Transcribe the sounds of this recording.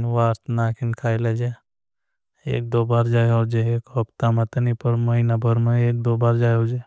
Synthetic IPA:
nwaːɾt̪ʰnaːkʰɪnkʰaːiled͡ʒe | ḛːk̚d̪oːbaːɾd͡ʒaːjɔd͡ʒeeːkɦɔbt̪amɐt̪nipəɾmɐɦinabʱəɾmeeːk̚d̪oːbaːɾd͡ʒaːjod͡ʒe

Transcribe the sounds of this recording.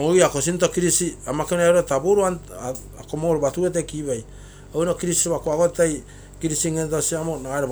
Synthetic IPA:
oiakos̬into̞kiɾisiamakenaɾtabuɾuan | akomooɾubatuetekibaj | onokiɾistoβakoaɡottaj | kiɾisiŋentosiamonaɡaeɾo

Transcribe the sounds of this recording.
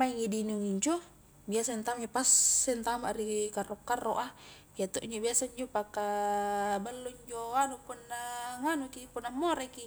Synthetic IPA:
maiŋidinuŋiɲd͡ʒo | biasaint̪amipasːɛnt̪amaʔrikarokːarːoʔa | jat̪oʔiɲd͡ʒobiasaiɲd͡ʒopaka | balːuiɲd͡ʒoanupunːaŋanukipunːamːoɾeki

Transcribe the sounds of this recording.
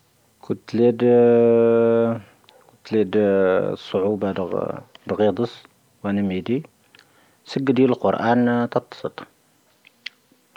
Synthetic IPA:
kʊnt̪ːled̪ | kʊnt̪lid̪sˤːoʕubɑd̪d̪ɣid̪ˤəs | wænæmid̪i | səɡːd̪jæləlqʊɾʔænt̪ɑt̪ˤːɑ̥sˤət̪ˤ

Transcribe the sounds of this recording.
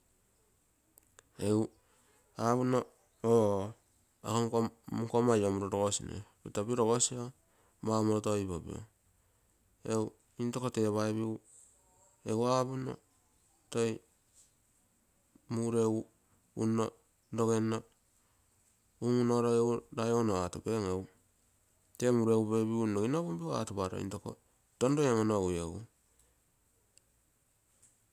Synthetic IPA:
eu | aβuno | o | akoŋkokomajomuɾoɾoɡosḭnḛbitabiɾoɡosio | mamoɾotojbobḭo̰ | ew | intokoteβaeβiu | ewaβuno̰ | toj | muɾeu | uno̰ | doɡeno | umunoɾoeudajonoatube̞ŋew | temuɾeubebiunoinobumbioa̰tubaɾo̰ḭntoko̰ | tondoemonoueu

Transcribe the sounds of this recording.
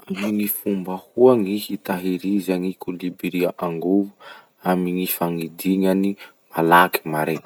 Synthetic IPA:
aminifumbəhuaŋihit̪aɦiɾizaŋikulibiɾiaʔaŋɡuvu̥ | amiŋifaŋid̪iŋani | malaki̥maɾe

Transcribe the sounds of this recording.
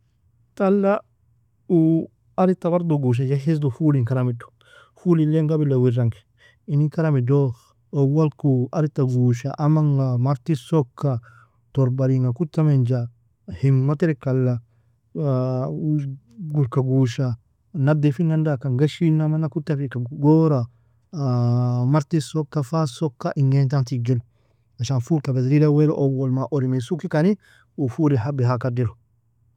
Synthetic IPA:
talːa | u | aɾitːaβaɾdoɡuʃ̬ad͡ʒaɦisdofuliŋkaɾamido̥ | fulileŋɡabilawiɾaŋɡi | inikaɾamido | owalkuaɾitːaɡuːʃaʔamaŋamaɾtisokːa | toɾbaɾiŋakutːamend͡ʒa | himːateɾekalːa | ɡuɾkaɡuʃa | nadefiŋandakaŋɡaʃinamanakutːafikaɡoɾa | maɾtisokːafasokːaʔiŋɡent̬antiɡil | aʃanfuɾkabesɾidaweɾoʔowolmaʔoɾimesukikani | ufuɾiɦabeɦakadiɾo

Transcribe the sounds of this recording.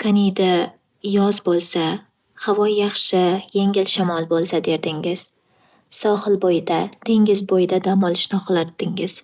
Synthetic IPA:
kʰanid̪a | jɒzbolˠsa | havɒjːɑχʃɪje̞ŋɪlʃamɒlˠbolˠsad̪e̞ɾd̪ɪŋɪz̥ | sɒhɨlˠbojɪd̪at̪ʰe̞ŋɪzbojɪd̪ad̪amɒlˠɪʃnɪqlˠat̪ʰːɪŋɪz̥

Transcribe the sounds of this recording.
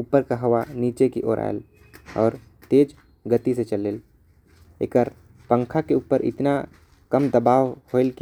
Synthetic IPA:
uːpəɾkaɦɐʋaniːt͡ʃekiʔo̰ːɾʔa̰ːj̰l | ɔːɾ | t̪eːd͡ʒ | ɡət̪iset͡ʃəleːl | ḛkəɾ | pə̃ŋkʰakeuːpəɾʔɪ̰t̪na | kəmd̪əbaːʋholk

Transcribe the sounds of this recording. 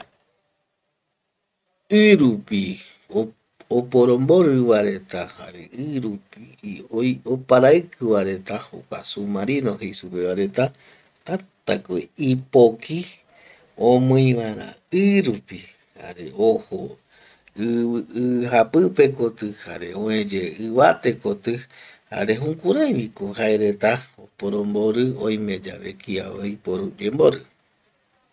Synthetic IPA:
ɨɾupi | o | opoɾõmboɾɨβaɾe̞t̪aha̰ɾḛɨɾupi | ojopaɾaɨkʰɨβaɾe̞t̪aho̰kʷa̰sumaɾinohejsupe̞βaɾe̞t̪a | t̪at̪akoeipoki | õmɨ̃ĩʋaɾã̰ | ɨɾupi | ha̰ɾe̞oho | ɨɨɦapɨpe̞kot̪ɨha̰ɾe̞̰õẽd͡ʒeɨβat̪e̞kot̪ɨha̰ɾe̞ɦũkuɾajβikohaeɾe̞t̪aopoɾõmboɾɨõj̃mẽd͡ʒa̰βḛkʰia̰ojpoɾud͡ʒemboɾɨ

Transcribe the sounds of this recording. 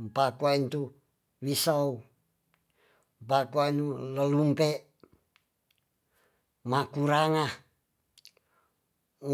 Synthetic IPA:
mpakuaint̪u | wisau | mpakoainuləlumpeʔ | makuɾaŋa

